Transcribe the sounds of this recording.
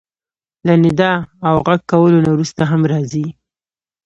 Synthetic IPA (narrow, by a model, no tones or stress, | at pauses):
lanɪd̪ɑawɣaɡ̚kːawəlonawɾust̪aɦamɾɑzi